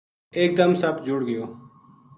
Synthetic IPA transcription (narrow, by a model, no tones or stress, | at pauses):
eːk̚d̪əmsəbd͡ʒʊɽɡɪjoː